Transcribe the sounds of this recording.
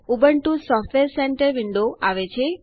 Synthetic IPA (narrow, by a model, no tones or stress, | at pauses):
ubəɳʈũsɔfʈʋeɾsɛɳʈəɾʋɪɳɖoaʋet͡ʃʰe